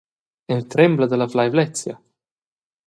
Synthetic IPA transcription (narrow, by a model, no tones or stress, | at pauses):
ɛlt̪ɾɛmblad̪əlaflajvlɛsja